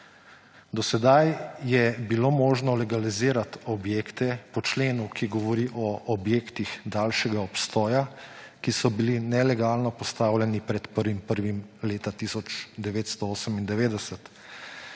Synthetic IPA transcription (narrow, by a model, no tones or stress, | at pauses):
d̪ɔsɛd̪ajjɛbilomoːʒnɔlɛɡaliziːɾat̪ɔbjeːkt̪ɛpɔt͡ʃleːnukiɡɔʋɔɾiʔɔʔːbjeːkt̪ixd̪aːlʃɛɡaɔpst̪ɔːjakisɔbilinɛlɛɡaːlnɔpɔst̪aːwlʲɛnipɾɛt̪pəɾʋimpəɾʋimleːt̪at̪isɔt͡ʃd̪ɛʋeːt̪st̪ɔoːsəmind̪ɛʋeːd̪ɛsət̪